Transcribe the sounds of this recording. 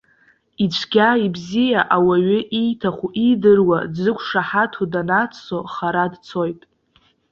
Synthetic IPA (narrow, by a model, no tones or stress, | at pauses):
it͡ʃʷʰɡʲaibzijaʔawaɥʏʔijtʰaχʷuʔidɨrwadzɨkʷʰʼʂaħatʰudanat͡so̞χaɾadt͡sʰo̞jtʼ